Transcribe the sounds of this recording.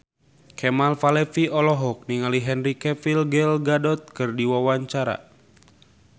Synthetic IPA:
kʰɛmalfalɛfiɔlɔɦɔk̚niŋaliɦɛnrikɛfilɡɛlɡadɔt̪̚kɨrdiwawaɲt͡ʃaɾa̰

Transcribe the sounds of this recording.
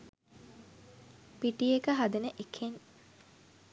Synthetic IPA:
piʈiekəɦad̪enəʔekʰen

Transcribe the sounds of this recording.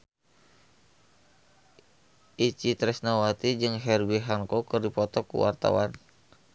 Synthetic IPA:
ʔit͡ʃit̪ɾɛsnawat̪id͡ʒɨŋɦɛrwiɦaŋkɔkɨrdipɔt̪ɔkṵwa̰rt̪a̰wan

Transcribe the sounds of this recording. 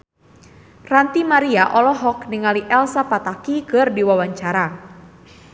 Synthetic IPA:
rant̪imaɾiaʔɔlɔɦɔkniŋaliʔɛlsapat̪akikərdiwawaɲt͡ʃaɾa

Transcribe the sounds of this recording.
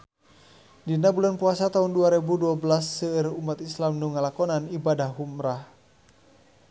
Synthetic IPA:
dinabulanpuasat̪aɦunduaɾebuduabəlasːəərumat̪islamnuŋalakɔnanibadahɦumɾah

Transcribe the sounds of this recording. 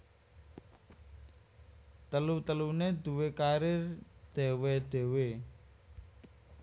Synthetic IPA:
t̪əlut̪əluned̪ṳwekaɾɪrd̪̥e̤wed̪̥e̤we

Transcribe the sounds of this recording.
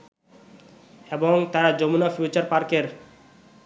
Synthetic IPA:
eboŋt̪aɾad͡ʑomunafʰjut͡ɕaɾpaɾkeɾ

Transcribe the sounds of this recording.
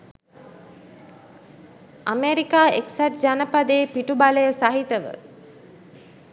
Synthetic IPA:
ameɾikaːeksaʈ̚d͡ʒanəpad̪eːpiʈubaləjəsaɦit̪əʋə̰

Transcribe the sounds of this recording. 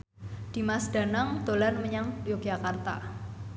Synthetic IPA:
d̥imasɖ̥a̤naŋd̪̥olarməɲaŋjoɡ̥jakart̪a̰

